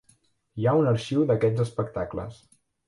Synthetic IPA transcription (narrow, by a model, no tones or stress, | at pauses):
jaunəɾʃiwðəkɛd͡zəspək̚t̪aklə̰s